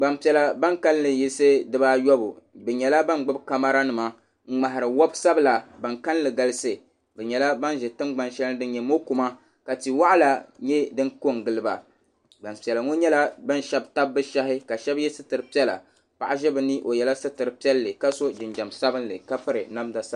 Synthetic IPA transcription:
ɡ͡ba˨mpi˨ɛ˨la˨˦ba˦ŋka˦llɨ˨ji˦se˦dɨ˦ba˦jɔ˦bṵ˨bɛ˨ɲɛ˨la˦ba˦nɡ͡bɨ˦bka˦ma˦ɾa˦nɨ˨ma˨ | ŋ͡m̩˨ŋ͡ma˨ɦa˨ɾɨ˨wɔ˦bsa˦bla˨ba˨ŋka˦n˦lɨ˨ɡa˦lɨ˦se˨ | bɛ˨ɲɛ˨la˦ba˦n˦ʒɛ˨tɨ˦mɡ͡ba˨nʃɛ˦ldɨ˦nɲɛ˨mo˦ku˨ma˦ | ka˨ti˨wa˦ʔa˦la˨ɲɛ˦dɨ˦ko˦ŋɡɨ˨lɨ˦ba̰˨ | ɡ͡ba˨n˨pi˨ɛ˨la˨ŋo˦ɲɛ˦la˦bɨ˦n˦ʃɛ˦bta˦bːɨ˦ʃa˦hɪ˦ka˨ʃɛ˦bjɛ˦sɨ˦tɨ˨ɾɨ˨pi˦ɛ˦la̰˨ | pa̰˨ʔa˦ʒɛ˦bɨ˦ni˦ʔo˨jɛ˨la˦sɨ˦tɨ˨ɾɨ˨pi˦ɛ˦lːɨ˨ka˦so˦d͡ʒɪ˨nd͡ʒa˨msa˦bɨ˦nlɨ̰˨ka˦pɨ˦ɾɨ˨na˦mda˨sa˦

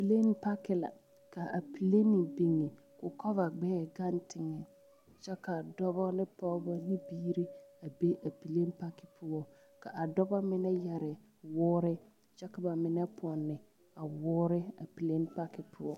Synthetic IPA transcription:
a˨pi˨le˦n˦pa˦kɪ˨la̰˨ | ka˨a˨pi˨le˦nɪ˨bi˨ŋːe˨ | kʊ˨kɔ˦va˨ɡ͡bɛː˦˨ɡa˦ntɪ˨ŋɛ˨ | t͡ʃɛ˦ka˨dɔ˦bɔ˦nɪ˦pɔː˦bɔ˦nɪ˦biː˦ɾi˦a˨be˦ʔa˨pi˨le˦n˦pa˦kɪ˨pʊ˦ɔ˦ | ka˨ʔa˨dɔ˦ba˦mɪ˦nɛ˦jɛ˨ɾɪ˨ | wʊː˦ɾɪ˦ | t͡ʃɛ˦ka˨ba˨mɪ˨nɛ˦pʊ˨ɔ˨nːɪ˨ | a˨wʊː˦ɾɪ˦a̰˨pi˨le˦n˦pa˦kɪ˨pʰʊ˦ɔ˦

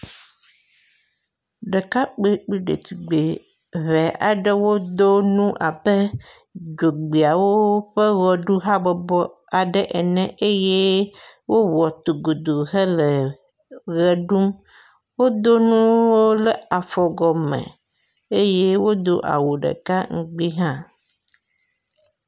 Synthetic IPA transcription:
ɖe˨ka˦k͡pe˦k͡pi˦ɖḛ˨t̪i˨ɡ͡be˨ | βɛ˨ʔa̰˨ɖɛ˦wo˦d̪o˦nũ˦ʔa̰˨be˦ | d͡ʒo˨ɡ͡bi˨a˨wo˦ɸə˦ɣɔ˨ɖu˦ɦa˦bɔ˨bɔ˦ | a˨ɖɛ˦ʔɛ˨nɛ̃˦e˦je˦ | wo˦wɔ˨t̪o˨ɡo˨d̪o˨ɦɛ˦le˨ | ɣɛ˨ɖu˦m | wo˦d̪o˦nũ˦wo˦lɛ˨a˨fɔ˨ɡɔ˨mɛ̰̃˨ | e˦je˦wo˦d̪o̰˦ʔa̰˨wo˨ɖḛ˨ka˦ŋ̩˨ɡ͡bi˦ɦã˦

